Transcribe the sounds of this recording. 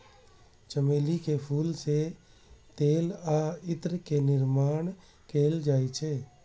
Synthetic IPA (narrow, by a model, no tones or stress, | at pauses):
t͡ʃəmeːlikepʰuːlse | t̪eːlaːɪt̪ɾkenɪɾmaːɳ | kʰeːld͡ʒaːit͡ʃʰeː